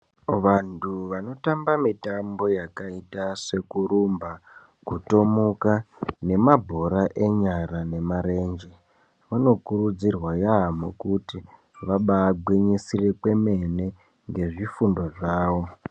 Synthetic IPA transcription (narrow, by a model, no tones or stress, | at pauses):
ʋantʰuʋano̞tambamitambo̞jakaitase̞kuɾumba | kuto̞mukane̞mabʱo̞ɾaʔe̞ɲaɾane̞maɾe̞ːnd͡ʒe | ʋano̞kuɾud͡zirwajamokuti | ʋaɓaːɡʱwiɲisirekwe̞me̞ne̞ | ŋɡe̞ʐifundo̞ʐaːʋo̞